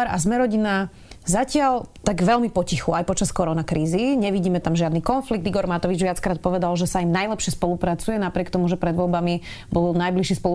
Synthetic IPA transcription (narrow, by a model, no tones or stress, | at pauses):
aɾazmɛɾɔɟina | zacɪalt̪aɡʋɛlmipɔcixuajpɔt͡ʃaskɔɾɔnakɾʔiːziɲɛʋiɟiːmɛt̪amʒɪad̪nikɔnfliɡ̚t̪iɡɔɾmat̪ɔʋid͡ʒʋɪat͡skɾaːt̪̚pɔʋɛd̪alʒɛsaimnajlɛpʃɪɛspɔlupɾat͡sujɛnapɾɪɛkt̪ɔmuʒɛpɾɛd̪ʋɔlbami | bɔlnajbliʃispɔ